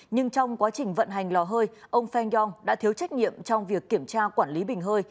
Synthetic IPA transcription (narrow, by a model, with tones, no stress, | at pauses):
ɲɨ˧ŋt͡ɕɔ˧wŋ͡mkwaː˨˦t͡ɕï˨˩ŋ̟və̰˧˨nɦa˨˩jŋ̟lɔ˨˩ɦəː˧jʔə˧wŋ͡mfɛ˧njɔ˧ŋɗa̰ː˧˥t̪i˨˦əwt͡ɕa˦˥k̚ɲḭ˧˨əmt͡ɕɔ˧wŋ͡mvi˨˩əkːi˧˩əmt͡ɕaː˧kwaː˧˩nli˨˦ɓï˨˩ŋ̟ɦəː˧j